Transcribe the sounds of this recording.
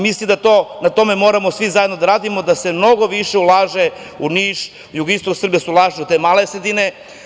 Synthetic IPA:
mislimd̪at̪oːnat̪o̞memo̞ːɾamosʋizaje̞d̪no̞d̪aɾaːd̪imo̞d̪ase̞mno̞ɡo̞ʋiʃe̞ulˠaːʒe | uniːʃ | juɡist̪oksr̩bijesuulˠaːʒeut̪emalesɾed̪ine

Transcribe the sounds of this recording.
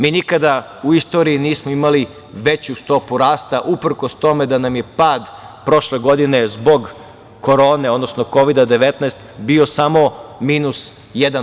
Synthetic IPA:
miːnikad̪auist̪o̞ːɾiːniːsmoimali | ʋe̞t͡ɕust̪o̞puɾaːst̪aʔupɾ̩kost̪o̞me̞d̪anamje̞paːd̪pɾo̞ʃleɡo̞d̪ine̞zbo̞ɡ | ko̞ɾoːne̞o̞d̪nosno̞ko̞ʋid̪ad̪e̞ʋet̪nɛst̪bio̞samo̞miːnus | jed̪an

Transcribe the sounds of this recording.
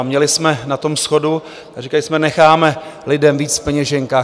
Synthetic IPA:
mɲɛlɪsmɛnat̪o̞msxo̞du | arɪkajɪsmɛnɛxaːmɛlɪdɛmviːt͡sfpɛɲɛʒɛŋkaː

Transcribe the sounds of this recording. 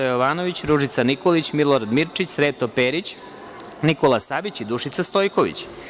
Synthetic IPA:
ajoʋaːno̞ʋit͡ɕɾuʒit̪saniko̞lit͡ɕmilˠoɾad̪miɾt͡ʃit͡ɕsɾeːt̪opeːɾit͡ɕ | nikolˠasabit͡ɕid̪uʃit̪sast̪o̞jko̞ʋḭt͡ɕ

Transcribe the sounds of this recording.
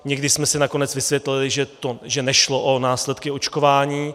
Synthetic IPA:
ɲɛɡdɪsmɛsɪnako̞nɛt͡svɪsvjɛt̪lɪlɪʒɛt̪oʒɛnɛʃloʔonaːslɛt̪kɪo̞t͡ʃko̞vaːɲiː

